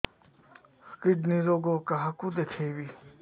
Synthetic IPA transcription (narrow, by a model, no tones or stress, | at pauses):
kiɖniɾoɡokaɦakud̪ekʰeːbi